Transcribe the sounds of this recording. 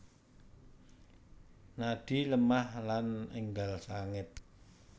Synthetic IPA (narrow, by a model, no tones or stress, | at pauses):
naɖ̥i̤ləmahlanəŋɡalsaŋɪt̪̚